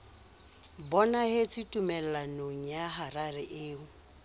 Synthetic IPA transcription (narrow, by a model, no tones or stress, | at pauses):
bɔnahet͡sʼitʼumɛl̩anoŋ̩jaɦararɪʔeːʊ